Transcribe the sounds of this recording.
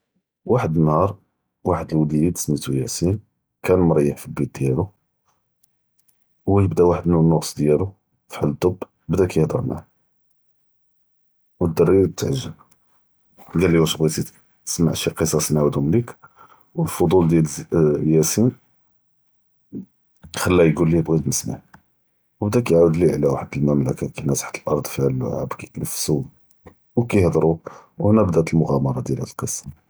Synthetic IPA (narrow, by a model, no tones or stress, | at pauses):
waħəd̪ənhɑɾˤ | waħəd̪əlwlijid̪snit̪ujæsin | kænlməɾˤjəħfilbit̪̚d̪jælu | wjəbd̪æwaħəd̪nunːʊqsˤd̪jælu | fħalːt̪ːobː | bd̪ækjəhd̪ɑɾˤma̰ʕ | wəd̪ːɑrˤːit̪ːəʕʒːəm | ɡælːiwæʃɣwit̪it̪ | sma̰ʕʃiqəsˤːɑsinʕawd̪ʊmlik | wəlfod̪ˤuld̪jæljæsin | xəlːæjɡulːibɣit̪nəsma̰ʕ | wbd̪ækjʕawd̪liʕlæwaħəd̪əlməmləkækænæsħt̪əlʔɑ̰ɾˤd̪ˤfiʕæl̰ːʕa̰bkæknəfsu | wkijhd̪ˤɾˤuwhnæbd̪æt̪əlmʊɣæmɑɾˤɑd̪jælhæ̰d̪əlqəsˤːɑ̥